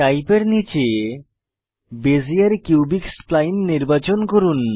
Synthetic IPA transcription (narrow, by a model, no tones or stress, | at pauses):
ʈajpeɾnit͡ɕe | bezijaɾkubiksplajnːiɾbat͡ɕonkoɾun